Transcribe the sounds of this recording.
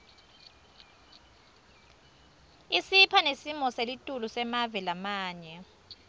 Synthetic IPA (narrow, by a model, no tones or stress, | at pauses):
isipʰanesimɔselitʼulusɛmavɛlamaːɲɛ